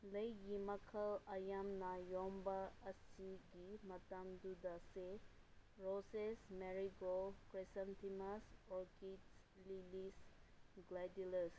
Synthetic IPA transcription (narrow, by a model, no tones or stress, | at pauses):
lejjimakʰəlajamnajɔmbaːsiɡimɐt̪amd̪ud̪ase | ɾosesmɛɾiɡokɾesə̃nt̪ʰimasɔkits | lilisɡladuləs